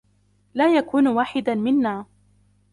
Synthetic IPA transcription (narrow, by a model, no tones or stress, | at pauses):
laːjakuːnwaːħɪd̪amɪnːaː